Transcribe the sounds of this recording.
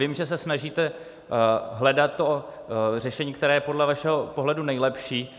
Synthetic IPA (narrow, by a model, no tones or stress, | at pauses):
vɪmʒɛsɛsnaʒiːt̪ɛ | ɦlɛdat̪ːo | r̝ɛʃɛɲiːkt̪ɛɾɛːjɛpo̞dlɛvaʃɛɦo̞po̞ɦlɛdunɛjlɛpʃiː